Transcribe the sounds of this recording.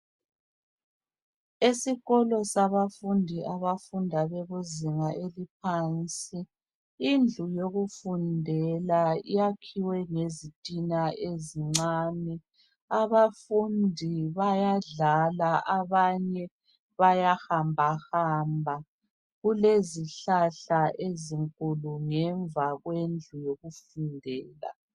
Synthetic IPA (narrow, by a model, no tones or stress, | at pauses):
esiɣɔlɔsaβafundʱiʔaβafundʱaβɛβuziŋaʔelip̚ʰaːnt͡sʼiː | nd͡ɮʱujoɣufundʱɛlaijakʰiwɛŋezitʼinaeziŋ͡ǀaːnɛ | aβafundʱiβajaɮalaʔaβaɲɛ | βajahambʱaxambʱa | ɣuleziɬaɬaʔeziŋkʼuluŋɛɱvaɣwend͡ɮʱujoɣufundʱɛːla̰